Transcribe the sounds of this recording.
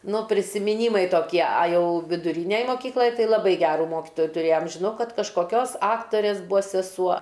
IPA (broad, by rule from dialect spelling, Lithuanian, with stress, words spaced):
ˈnʊ pʲrʲɪsʲɪmʲɪˈnʲiːmɐɪ toːˈkʲiɛ ɐ ˈjɛʊ ʋʲɪdʊˈrʲiːnʲɛj moːˈkʲiːklˠɐj ˈtɐɪ lˠɐˈbɐɪ ˈɡʲæːruː ˈmoːkʲɪtoːjʊ tʊˈrʲeːjɛm ʒʲɪˈnɐʊ ˈkɐt kɐʃkoːˈkʲoːs ˈɑːktoːrʲeːs ˈbʊɐ sʲɛˈsuɔ